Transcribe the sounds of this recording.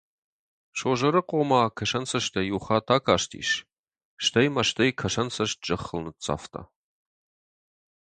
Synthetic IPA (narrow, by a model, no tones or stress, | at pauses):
ʃoːʒɐɾɨqʷʼomaːkʰɐʃɐnsɐʃtʰɐjuːχaːtʰaːkʰaːʃtʰḭːʃ | ʃtʰɐjmɐʃtʰɐjkʰɐʃɐnsɐʃd͡ʒʼɐχəlnɨtt͡sʼa̰ːftʰa̰ː